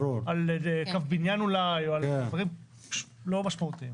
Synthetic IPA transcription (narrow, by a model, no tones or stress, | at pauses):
oɾalekafbinjanulajoalvaʁim | ʃlomaʃmaut̪iim